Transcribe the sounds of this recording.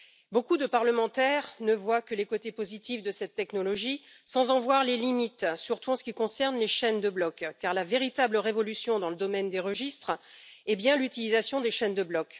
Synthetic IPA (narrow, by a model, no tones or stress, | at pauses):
bokud̪əpaʁləmɑ̃t̪ɛʁnəvwakəlekot̪epozit̪ifd̪əsɛt̪ːɛknɔlɔʒi | sɑ̃zɑ̃vwaʁlelimit̪syʁt̪uɑ̃sə̥kʲikɔ̃sɛʁnleʃɛnd̪əblɔkːaʁlaveʁit̪abləʁevɔlysjɔ̃d̪ɑ̃ləd̪ɔmɛnd̪eʁəʒist̪χɛbjɛ̃lyt̪ilizasjɔ̃d̪eʃɛnd̪əblɔk